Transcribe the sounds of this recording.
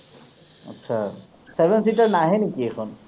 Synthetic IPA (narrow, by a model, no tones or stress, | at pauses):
ɔ̰tːʃʰa | sebʱensitaɹnaɦɛnikiexʰon